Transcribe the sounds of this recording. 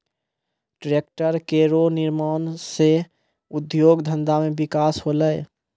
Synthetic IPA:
ʈɾeːk̚ʈəɾkeɾonɪɾmaːnse | ʊd̪joːɡd̪ʱə̃nd̪amẽbɪkaːsɦoːləe

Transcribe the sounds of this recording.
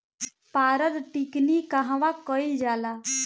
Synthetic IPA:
paːɾəd̪ʈiknikaɦʋãkɔild͡ʒaːla

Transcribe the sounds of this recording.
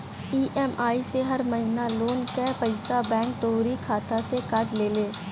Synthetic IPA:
iːʔɛːmaːiseɦɐɾməɦinaloːnkɛːpəɪsabɛ̃ːŋk̚ʈ̪oːɾikʰaːt̪asekəʈleːleː

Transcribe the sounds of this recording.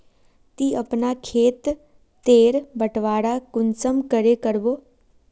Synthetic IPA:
t̪iːəpnakʰeːt̪ː | eːɾbəʈʋaːɽakʊnsəmkəɾekəɾboː

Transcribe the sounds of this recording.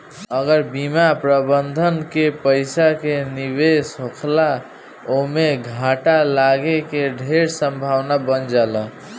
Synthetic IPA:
əɡəɾbimapɾəbənd̪ʱənkepəjsakenibesɦokʰla | omeɡʱaʈalaɡekeɖʱeɾsəmbʱawnabənd͡ʒalə

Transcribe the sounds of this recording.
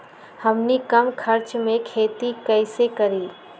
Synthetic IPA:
hɐmnikɐmkʰəɾt͡ʃmẽkʰeːt̪ikɛːɪsekɐɾiː

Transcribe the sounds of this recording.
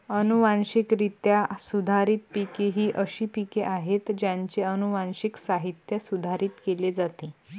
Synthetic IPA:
ənuʋanɕikɾit̪jasud̪ʱaɾiːt̪pikeɦiːʔəɕiːpikeʔaɦet̪d͡ʑjãɲt͡ɕeənuʋãnɕiksaɦit̪jəsud̪ʱaɾiːt̪keled͡zat̪e

